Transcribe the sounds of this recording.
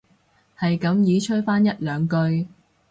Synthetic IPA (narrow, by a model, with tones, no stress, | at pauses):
hɐ˨jkɐ˨˥mjiː˨˥t͡ʃʰɵ˥t̚faː˥njɐ˥t̚lœː˨˧ŋkɵ˧ɥ